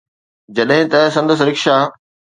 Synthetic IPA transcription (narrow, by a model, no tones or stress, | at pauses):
d͡ʑɐɗɦɪ̃t̪ɐsɐ̃nd̪əs̬ɾɪkʃaː